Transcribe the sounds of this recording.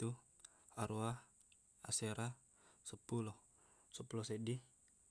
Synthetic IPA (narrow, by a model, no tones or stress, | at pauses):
t̪u | aɾua | a̰seɾa | səpulɔ | səpulɔsedi